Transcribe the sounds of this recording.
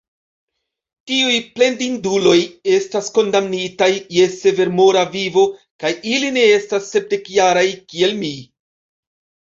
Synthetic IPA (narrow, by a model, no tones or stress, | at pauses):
tiujple̞ndindulo̞je̞stasko̞ndamnitajːe̞se̞ve̞ɾmo̞ɾavivo̞ | kajiline̞e̞stasːe̞p̚de̞kjaɾajkie̞lmi